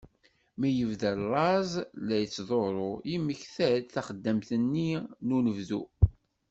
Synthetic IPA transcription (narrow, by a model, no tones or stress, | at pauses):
mijəvðællˤɑzˤlæjət͡sːðˤoɾˤojiməçθæd̪θæχəd̪ːəmθənːinunəvðu